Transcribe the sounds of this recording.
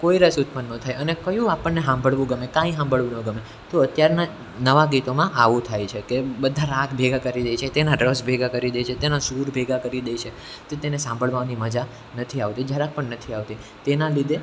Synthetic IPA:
koiɾəsut̪mənːət̪ʰajənekəjũapəɳːeɦãmbʱəɭʋũɡəmekãĩɦãmbʱəɭʋũnəɡəme | t̪oət̪jaɾna | nəʋaɡit̪omãʔaʋũt̪ʰajt͡ʃʰekebəd̪ʱaɾakbʱeɡakəɾid̪ejt͡ʃʰet̪enaɖɾəsbʱeɡakəɾid̪ejt͡ʃʰet̪enasuɾbʱeɡakəɾid̪ejt͡ʃʰe | t̪ot̪enesãmbʱəɭʋaniməd͡ʒa | nət̪ʰiaʋt̪id͡ʒaɾak̚pəɳnət̪ʰiaʋt̪i | t̪enalid̪ʱe

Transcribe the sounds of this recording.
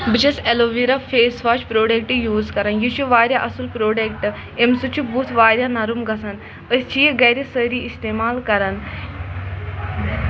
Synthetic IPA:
bid͡ʑɐseloʋiɾafeːsʋaːt͡ʃpɾoːɖek̚ʈjuːzkɐɾanjut͡ʃuʋaːɾʲjaʔɐsulpɾoːɖek̚ʈ | emsut͡ɕubut̪ʰʋaːɾʲjanaɾumɡɐsan | əst͡ʃijɡɐjɾisəɾiist̪emaːlkɐɾan

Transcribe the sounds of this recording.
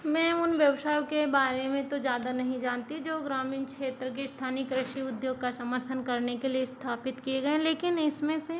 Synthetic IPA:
mɛ̃ːʊnʋjɐʋʃaːjõkebaːɾemẽt̪od͡ʒjaːd̪anɐɦĩd͡ʒaːnt̪id͡ʒoːɡɾaːmiːnkʃeːt̪ɾəkest̪ʰaːnɪkɾɪʃiʊd̪joːɡkasɐməɾt̪ʰənkɐɾnekeliest̪ʰaːpɪt̪kieɡɐẽleːkɪnɪsmẽse

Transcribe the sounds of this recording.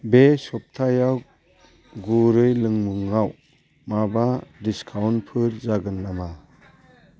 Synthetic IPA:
besɔp̚tʰajaw | ɡuɾɯjlɯŋmuŋːaw | mabadiskʰawnpʰɯɾzaɡɯnːama

